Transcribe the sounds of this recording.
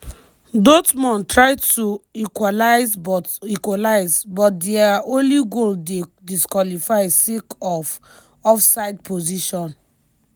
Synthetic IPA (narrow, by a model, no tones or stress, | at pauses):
dotmɔ̃ntɹaɪtuikwalaɪzbɔtikwalaɪzbɔt̚dɛaõnliɡoldediskwalifaɪsikɔf | ɔfsaɪdpʰoziʃɔ̃n